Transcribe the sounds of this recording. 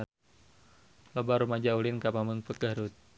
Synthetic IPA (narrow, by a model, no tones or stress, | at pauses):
lɔbaɾumad͡ʒaulɪnkapaməŋpəkaɾut̪̚